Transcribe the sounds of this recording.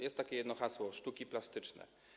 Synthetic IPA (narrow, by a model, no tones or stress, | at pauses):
jɛst̪ːakʲɛjɛd̪nɔxaswɔʂt̪ukʲiplast̪ɘt͡ʂnɛ̰